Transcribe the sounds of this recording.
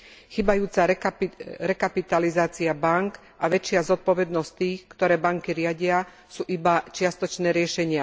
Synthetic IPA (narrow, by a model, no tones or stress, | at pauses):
xiːbajuːt͡sa | ɾɛkapit̪alizaːt͡siabaŋk | ʔaʋɛt͡ʃɪazɔt̪̚pɔʋɛd̪nɔst̪iːxkt̪ɔɾɛːbaŋkiɾɪaɟɪa | suːʔibat͡ʃɪast̪ɔt͡ʃnɛːɾɪɛʃɛɲɪa